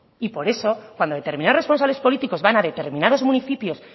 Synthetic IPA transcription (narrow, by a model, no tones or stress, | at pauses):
ipo̞ɾe̞so̞kwand̪oðet̪e̞ɾmĩnarespo̞nsaβle̞spo̞lit̪iko̞zβanaðe̞t̪e̞ɾmĩnaðo̞zmũniθipjo̞s